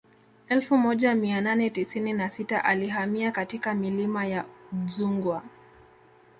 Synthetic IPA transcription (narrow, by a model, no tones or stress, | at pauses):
ɛlfumɔʄamiananɛtisininasita̰ʔaliɦamiakatikamilimajazuŋɡwa